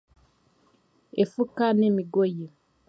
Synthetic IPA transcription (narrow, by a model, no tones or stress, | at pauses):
efukanemiɡoje